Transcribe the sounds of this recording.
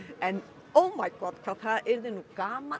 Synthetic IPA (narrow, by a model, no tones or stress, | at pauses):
ɛn | omajɡ̥ɔd̪̚kʰaθaʔeɾðɪnuɡama